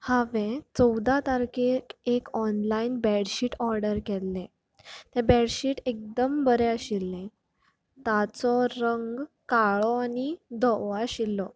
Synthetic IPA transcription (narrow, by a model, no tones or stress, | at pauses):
hãʋẽt͡sɔwd̪at̪aɾkekekɔnlainbɛɽɕiʈɔɾɖəɾkɛlːẽ | t̪ɛ̃bɛɽɕiːʈek̚d̪əmbəɾeəɕilːẽ | t̪at͡sɔɾəŋɡ | kaɭɔanid̪ɔʋaɕilːɔ